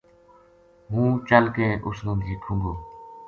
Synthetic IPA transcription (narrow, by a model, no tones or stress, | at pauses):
ɦũːt͡ʃəlkẽːʔʊsnõːniːʈʰũːŋɡoː